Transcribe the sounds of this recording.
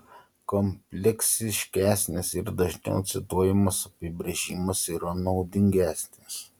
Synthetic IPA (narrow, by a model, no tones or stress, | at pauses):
kɔmʲpʲlʲɛkʲsʲɪʃʲkʲæːsʲnʲɪsɪɾd̪ɐʒʲnʲɛ̰ʊt̪sʲɪt̪uɔjɪmɐsɐpʲɪbʲɾʲeʒʲɪmɐsiːɾɐnɒʊd̪ʲɪŋʲɡʲæːsʲnʲɪs